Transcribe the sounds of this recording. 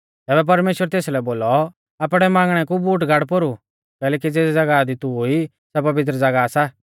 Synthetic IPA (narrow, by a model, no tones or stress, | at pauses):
t̪ɛːbɛp̬ɐɾmeːʃwəɾt̪eːslɛboːlɔ | aːpɽ̃ɛmãːŋɡɽ̃ɛkubuːʈ̬ɡʱaːɽpoɾu | kɛːlɛːk̬id͡zeːsd͡zɐɡad̪it̪ui | sɛpɐʋɪt̪̬ɾəd͡zɐɡasa